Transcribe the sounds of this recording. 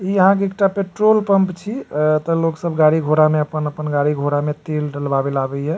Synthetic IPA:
iəɦãk̬eek̚ʈapeʈɾolpəmpt͡ʃʰit̪əloksəbɡaɽiɡʱoɾameəpənəpənɡaɽiɡʱoɾamet̪elɖəlbabelabɛɦɛ

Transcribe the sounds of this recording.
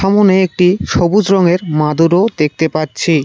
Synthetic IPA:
amoneek̚ʈiʃobud͡ʑɾɔŋeɾmad̪uɾod̪ek̚ʰt̪epatːt͡ɕʰi

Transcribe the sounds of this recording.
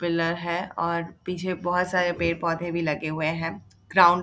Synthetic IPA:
pɪləɾɦɛɔːɾpiːt͡ʃʰebɔɦʊt̪saːɾepeːɾpɔːd̪ʱẽbʱilɐɡeɦʊeɦɛ̃ː | ɡ̥ɾãːʊ̃ɳ

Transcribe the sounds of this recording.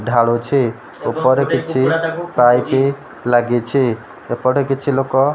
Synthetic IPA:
ɖʱaɽot͡ʃʰe | opɔɾekit͡ʃʰipajpi | laɡet͡ʃʰi | epɔɾekit͡ʃʰilokɔ

